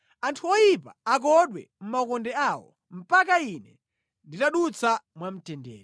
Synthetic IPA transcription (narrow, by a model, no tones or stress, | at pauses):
antʰuɔjipa̰ak̬ɔɗwɛ̰ | m̩makɔndɛawɔ̰ | m̩pakainɛ | nditaɗut͡samwam̩tɛndɛ̰ːɾ